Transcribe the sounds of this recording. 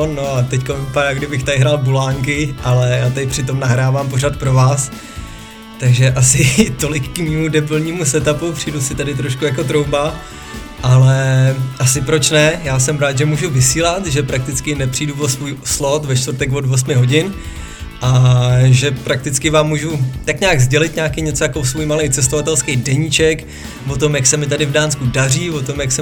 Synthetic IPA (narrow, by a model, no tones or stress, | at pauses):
nnoat̪ɛckonvipadaːɡdɪbɪxt̪adɪɦɾaːlbulaːŋkɪʔalɛjaːt̪adpr̝̥ɪt̪o̞mnaɦɾaːvaːmpo̞rat̪̚pɾo̞vaːs | t̪aɡʒɛʔasɪt̪o̞lɪkːmiːmudɛbl̩ɲiːmusɛt̪apupr̥ijdusɪt̪adɪt̪̬ɾoʃkujakot̪ɾo̞wba | ʔalɛʔasɪpɾo̞t͡ʃnɛjaːsɛmɾaːt̪ʒɛmuːʒuvɪsiːlat̪ʒɛpɾak̚t̪ɪt͡skɪnɛpr̥ijduvosvuːjslot̪vɛt͡ʃt̪vɾt̪ɛkvodvo̞s̬mɪɦo̞ɟɪn | ʔaʒɛpɾak̚t̪ɪt͡skɪvaːmːuːʒut̪akɲaːɡzɟɛlɪt̪ɲaːkɪɲɛt͡sojakosvuːjmalɛjt͡sɛst̪ovat̪ɛlskɛjdɛɲiːt͡ʃɛk | vot̪o̞mjaksɛmɪt̪adɪvdaːnskudar̝iːvo̞t̪o̞mjaksɛ